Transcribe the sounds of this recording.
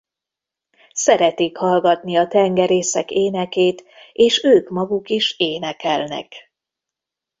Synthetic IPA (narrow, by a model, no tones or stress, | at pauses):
sɛɾɛt̪eːkhɒlɡɒt̪niɒt̪ɛŋɡɛɾeːsɛkeːnɛkeːt̪eːʃøːkmɒɡukiʃeːnɛkɛlnɛ̰k